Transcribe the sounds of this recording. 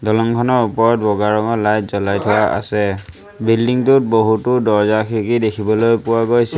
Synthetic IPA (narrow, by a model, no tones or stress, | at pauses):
dɔlɔŋkʰɔnɔɹupɔɹɔt̚bɔɡaɹɔŋɔlajtzɔlajtʰʊwaʔa̰sɛ | bildiŋtʊt̚boɦutʊdɔɹzakʰiɹikidekʰibɔlojpʊwaɡojsɛ